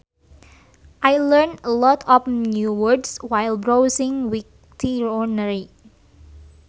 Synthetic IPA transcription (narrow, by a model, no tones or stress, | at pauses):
ʔajləɹnəlɔtʰɔfnjuwəɹdswajlbɹowsɪ̃ŋwik̚ | tʰiɹɔnəɹi